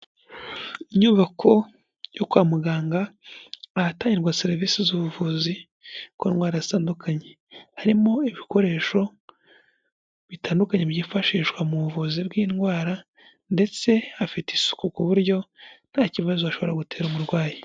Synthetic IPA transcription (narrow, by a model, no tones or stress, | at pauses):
iɲuːβakʰo̞ | jokwaːmuɡaːŋɡaː | ataːɲiɾɡwaseɾiviːsizuβuvuzi | koːnɡwaːɾazitaːndukʰaɲe | haɾimo̞iβiko̞ɾe̞ːʃo̞ | βitaːndukaɲe̞βjiːfaʃiːʃwamuβuvuzibɡiːnɡwaːɾa | nde̞t͡se̞afitisu̥kukuβuɾjo̞n̥haːciβazoaʃo̞βo̞ɾaɡute̞ːɾumuɾɡwaːji